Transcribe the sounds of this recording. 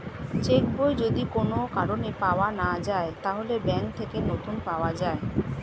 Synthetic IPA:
t͡ɕekbojd͡ʑod̪ikonokaɾonepaoanad͡ʑaet̪aɦolebɛŋk̚t̪ʰekenot̪unpaoad͡ʑae

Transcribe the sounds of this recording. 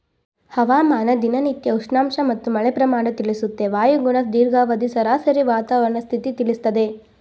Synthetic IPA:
hɐʋaːmaːnɐd̪inɐnit̪jɐuʂɳaːmʂɐmɐt̪ːumɐɭɛpɾɐmaːɳɐt̪iɭisut̪ːe̞ʋaːjɐɡuɳɐsd̪iːɾɡaːʋɐd̪isɐɾaːsɐɾiʋaːt̪aːʋɐɾɐɳɐst̪ʰit̪it̪iɭist̪ɐd̪e̞

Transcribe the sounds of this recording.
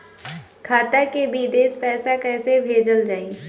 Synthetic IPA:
kʰaːt̪akebʱid̪eːspɛːsakɛːsebʱeːd͡ʒəld͡ʒaːi

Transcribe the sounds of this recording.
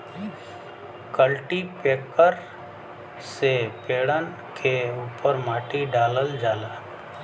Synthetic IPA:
kəlʈipeːkəɾ | sepeːɽən | kʰeuːpəɾmaːʈiɖaːləld͡ʒaːlaː

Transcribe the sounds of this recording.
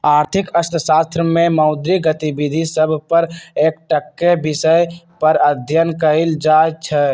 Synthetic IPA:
aːɾt̪ʰɪkəst̪ʰəsaːst̪ɾəmẽmɔʊd̪ɾiɡət̪ibid̪ʱisəbʱpəɾeːkʈəkːebɪsəj | pəɾəd̪ʱjənkəild͡ʒat͡ʃʰɛ

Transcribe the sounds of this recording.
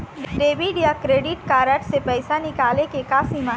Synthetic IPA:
ɖɖeːbiɖjakɾeːɖɪʈkaːɾəʈsepɛɪsanɪkaːlekekaːsimã

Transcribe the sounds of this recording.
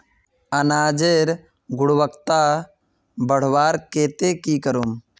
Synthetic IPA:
ənaːd͡ʒeɾ | ɡʊɽwəkt̪a | bəɽ̤waːɾkeːt̪ekiːkəɾuːm

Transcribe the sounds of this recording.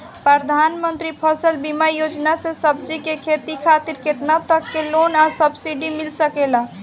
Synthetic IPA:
pɾəd̪ʱanmənt̪ɾipʰəsəlbimajod͡ʒnasẽsəb̚d͡ʒikekʰet̪ikʰat̪iɾket̪nat̪əkːelonasəbsiɖimilsəkela

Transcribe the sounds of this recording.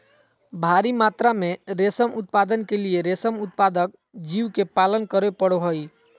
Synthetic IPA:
bʱaɾimat̪ɾameɾesəmut̪̚pad̪ənkelieɾesəmut̪̚pad̪ək̚ | d͡ʒiwkepalənkəɾepəɽoɦoj

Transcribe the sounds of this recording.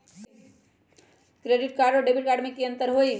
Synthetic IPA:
kɾeːɖɪʈ̚kaːɾɖɔɖebɪʈ̚kaːɾɖmẽkiɐ̃nt̪əɾɦoːi

